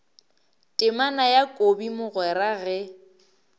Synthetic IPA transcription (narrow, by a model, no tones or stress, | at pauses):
tʼɪmanajakʼobimʊɣwɛɾaɣɛ